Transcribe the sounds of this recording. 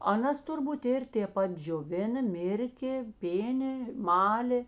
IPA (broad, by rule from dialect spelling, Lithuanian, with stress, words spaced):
ɐˈnɐs tʊrˈbuːt ˈɪr tʲeː ˈpɐt d͡ʒʲoːˈʋʲɪnɐ ˈmʲɪrʲkʲeː ˈpʲeːnʲeː ˈmɑːlʲeː